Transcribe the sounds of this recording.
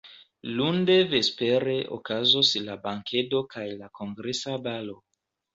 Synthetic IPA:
lunde̞ve̞speɾeʔo̰kazoslabaŋkʰe̞do̞kajlakʰo̞ŋɡɾesabalo̞

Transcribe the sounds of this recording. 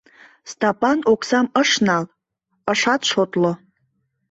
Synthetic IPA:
stʰapʼanokʷʰsaməʂnal | əʂatʈ͡ʂʷʰotʼlo

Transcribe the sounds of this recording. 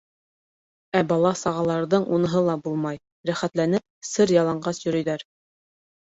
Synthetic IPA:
æbɑlˠɑsɑʁɑlˠɑɾðɤɴʔunɤ̆ɦɤlˠɑbulˠmɑj | ɾæχæt̪lænɘp̚sɤɾjɑlˠɑɴɢɑsjɵ̆ɾɵ̆jðæɾ

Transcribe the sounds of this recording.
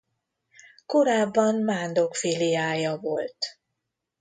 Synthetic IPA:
ko̞ɾaːbːɒnmaːnd̪o̞kfilijaːjɒvo̞lt̪

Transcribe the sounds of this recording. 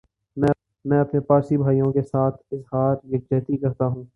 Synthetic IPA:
mɛ̃ː | mɛ̃ːɐpnepaːɾsibʱaːijõkesaːt̪ʰɪzɦaːɾɡɪkd͡ʒɛːt̪ikɐɾt̪aɦũː

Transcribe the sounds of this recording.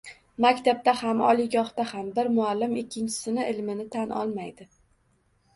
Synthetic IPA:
makʲt̪ʰab̚t̪ahamɒ̰lˠɪɡɒχt̪ahambɪɾmʊalːɪmɪkʲːɪnt͡ʃʰɪ̥sɪnɪʔɪlmɪnɪt̪ʰanʔɒ̰lˠmajd̪ɪ

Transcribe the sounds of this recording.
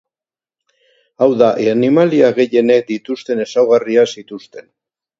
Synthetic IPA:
awðaʔeanimaliaɣe̞je̞ne̞k̚d̪it̪ust̪e̞ne̞sawɣariasit̪ust̪e̞n

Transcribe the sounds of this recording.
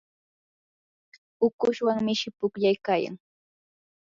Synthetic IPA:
ʊkʊʃwaŋmɪʃɪpʊkʎajkaːja̰ŋ

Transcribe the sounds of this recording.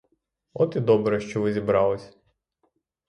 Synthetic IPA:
ɔt̪id̪ɔbɾɛʃt͡ʃɔʋɪzʲibɾɑlˠɪsʲ

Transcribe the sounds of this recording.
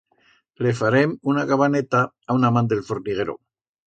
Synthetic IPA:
lefaɾemunaɣaβanet̪a | awnamand̪elfoɾniɣ̞eɾo̰

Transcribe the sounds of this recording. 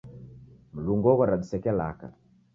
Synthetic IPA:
m̩luŋɡɔɣɔɾadisɛkɛla̰ka̰

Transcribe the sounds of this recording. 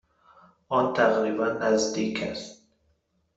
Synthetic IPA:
ɔnt̪ʰæɣɾibænæzd̪ikʰæst̪̚

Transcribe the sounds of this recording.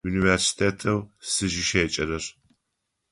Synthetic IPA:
uːniversi̥tʰeːtʰɐwsɨʒɪʃeːt͡ʃʼɐɾɐr

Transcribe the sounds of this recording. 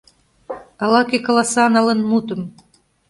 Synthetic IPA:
ɑlɑkekolɑsɑnɑlenmut̪ə̆m

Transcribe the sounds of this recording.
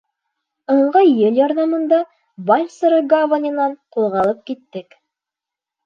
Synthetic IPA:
ɤ̆ɴʁɑjːɘlʲjɒɾðɑmɤ̆nd̪ɑ | bɑjʲsɤɾɤɡavanʲĭnɑɴqulˠʁɑlˠɤp̚kit̪ːɘk

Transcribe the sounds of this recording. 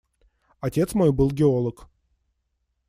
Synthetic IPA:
ɐtʲe̞t̪smo̞jbɨlˠɡʲɪo̞lˠək

